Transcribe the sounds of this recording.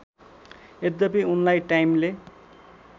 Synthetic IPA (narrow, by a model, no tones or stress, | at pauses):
ed̪d̪apiunlajʈajmle